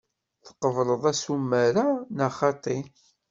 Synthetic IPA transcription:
θə̥qəvlˤəðˤæsumːæɾanaχɑt̪ˤi

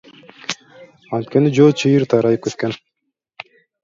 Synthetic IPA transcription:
ɑnt̪kenid͡ʒot͡ʃʰɯjɯɾt̪ʰɑɾɑjɯp̚køt̪ken

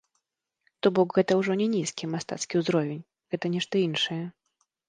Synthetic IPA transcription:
t̪ɔbɔkɣɛt̪ɐwʐɔnʲɛnʲiskʲimast̪a̰t̪skʲiwzɾɔvʲenʲ | ɣɛt̪ɐnʲɛʂt̪ɐinʂɨjɛ

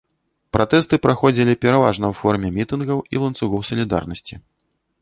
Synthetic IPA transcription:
pɾʔat̪ɛst̪ɨpɾaxɔd͡zʲilʲipʲɛɾavaʐnɐwfɔrmʲɛmʲit̪ɨnɣɐwḭlˠɐnt̪suɣɔwsɐlʲid̪a̰rnɐsʲt͡sʲi

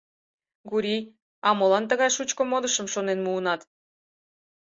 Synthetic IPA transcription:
ɡuɾʲij | ɑmolɑnt̪əɣɑjʃut͡ɕkomod̪əʃəmʃonenmuənɑt̪

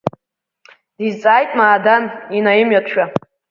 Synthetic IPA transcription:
d̥izt͡sʼaːjtʼmaːdaninajɪmɥatʰʃᶣa

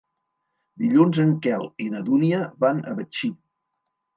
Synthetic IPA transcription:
d̪iʎunzəŋkɛlˠinəðuniəβanə̰βət͡ʃi

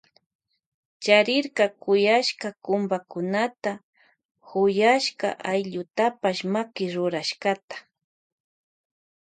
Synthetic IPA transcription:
t͡ʃaɾɪɾkakʊjaʃkakʊmbakʊnat̪a | hʊjaʃka̰ʔajʎʊt̪apaʃmakɪɾʊɾaʃkat̪ḁ

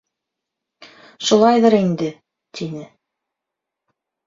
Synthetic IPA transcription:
ʃulˠɑjðɤɾind̪ɘ | t̪ʰinɘ

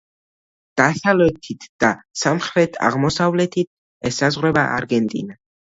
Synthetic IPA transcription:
d̪̥asavlɛt̪ʰit̪ʰd̪̥asamχɾɛt̪ʰa̰ʁmɔsavlɛt̪ʰit̪̚ʰ | ɛsazʁwɾɛbaʔa̰ɾɡɛnt̪ʼḭna

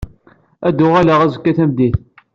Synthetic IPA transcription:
æd̪ʊʁælaʁæzəkːæθæmd̪iθ

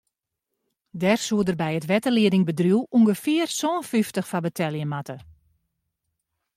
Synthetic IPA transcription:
dɛrsuədərbɛjətʋɛtəliədɪŋbədruwʔuŋɡəfɪərsɔːnfyftəxfabətʰɛlˠjəmatə

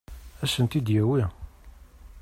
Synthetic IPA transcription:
æsənt̪id̪jæwi

